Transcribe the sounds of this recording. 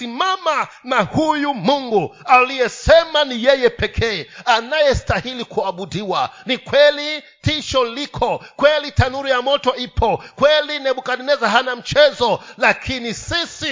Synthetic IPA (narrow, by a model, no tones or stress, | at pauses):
simamanahujumuŋɡualijɛsɛmanijɛjɛpɛkʰɛːanajɛstahilikuaɓudiwa̰nikwɛli | tiʃɔlikʰɔkwɛlitʰanuɾijamɔtɔipʰɔkwɛlinɛɓukanɛnɛzaɦanam̩t͡ʃɛzɔlakʰinisisi